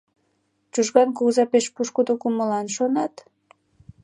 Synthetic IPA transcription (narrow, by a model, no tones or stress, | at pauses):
t͡ʃuʒɣɑnkuɣzɑpeʃpuʃkud̪okuməlɑnʃonɑt̪